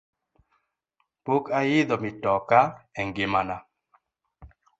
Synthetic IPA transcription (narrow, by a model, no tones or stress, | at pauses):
pokajɪðɔmitɔkaɛŋɡɪmana